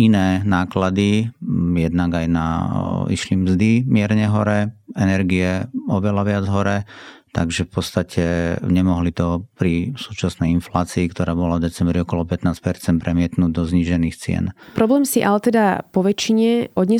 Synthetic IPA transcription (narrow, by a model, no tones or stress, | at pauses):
inɛːnaːklad̪ijɛd̪naɡajna̰ḭʃlimzd̪imɪɛɾɲɛɦɔɾɛɛnɛɾɡiɛɔʋɛlaʋɪad͡zɦɔɾɛt̪a̰ɡʒɛfpɔt̪st̪acʰɛɲɛmɔɦlit̪ɔpɾisuːt͡ʃasnɛjinflaːt͡siːkt̪ɔɾaːbɔlavd̪ɛt͡sɛmbɾiɔkɔlɔpɛt̪naːspɛɾt͡sɛnpɾɛmɪɛt̪nuːɟd̪ɔzɲiʒɛniːxt͡sɪɛ̰npɾɔblɛːmsiʔalɛt̪ɛd̪apɔʋɛt͡ʃiɲɛʔɔd̪ɲɛ